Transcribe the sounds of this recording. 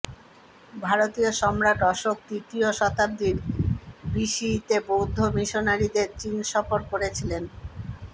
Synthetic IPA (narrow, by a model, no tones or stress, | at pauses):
bʱaɾot̪ioʃɔmɾaʈɔʃok̚t̪it̪ioʃɔt̪ab̚d̪iɾ | biʃit̪ebowd̪ʱːomiʃonaɾid̪eɾt͡ɕinʃɔfoɾkoɾet͡ɕʰilen